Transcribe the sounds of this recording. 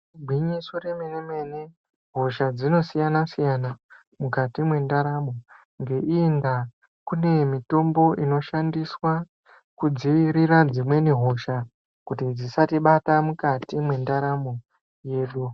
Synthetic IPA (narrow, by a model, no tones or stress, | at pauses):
bʱwiɲisoremeneme̞ne | ɦo̞ʃad͡zino̞sijanasijana | mukatimwe̞ndaɾamo̞ | ŋɡe̞ʔiːnda | kune̞mito̞mbo̞ʔino̞ʃandiswa | kud͡ziʋiɾiɾad͡zimwe̞niɦo̞ʃa | kutid͡zisatiɓatamukatimwe̞ndaɾamo̞ | je̞ːɗu